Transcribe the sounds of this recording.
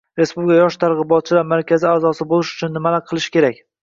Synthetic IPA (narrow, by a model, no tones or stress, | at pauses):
ɾe̞spublɪkʰajɒʃt̪ʰaɾʁɨbɒt̪̚t͡ʃʰɪvaɾmaɾkʲʰazɪaːzɒsɪbolˠɪʃʊ̥t͡ʃʰʊnːɪmalaɾqʰɨlˠɪʃkʲʰe̞ɾakʲ